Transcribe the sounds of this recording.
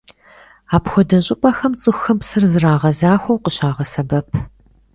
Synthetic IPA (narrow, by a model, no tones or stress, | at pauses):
aːpxʷɔdɐɕʼɪpʼɐxɐmt͡sʼɨxʷxɐmpsɨrzɨraːʁɐzaːxʷɐwqəɕaːʁɐsɐbɐpʰ